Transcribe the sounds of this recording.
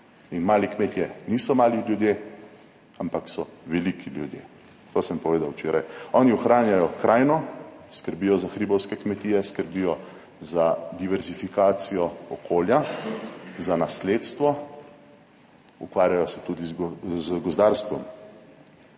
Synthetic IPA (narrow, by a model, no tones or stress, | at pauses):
inmaːlikmeːt̪jɛniːsɔmaːliljud̪je | ampaksɔʋɛlikʰiljud̪jḛː | t̪oːsəmpɔʋeːd̪awt͡ʃeːɾajɔːniɔxɾaːnjajɔkɾaːjnɔskəɾbiːjɔzaxɾibɔwskɛkmɛt̪iːjɛskəɾbiːjɔ | zad̪iʋɛɾzifikaːt̪sijɔɔkʰoːlja | zanasleːt̪st̪ʋɔ | ṵkʋaːɾjajɔsɛt̪ud̪izzɡɔzd̪aɾst̪ʋɔm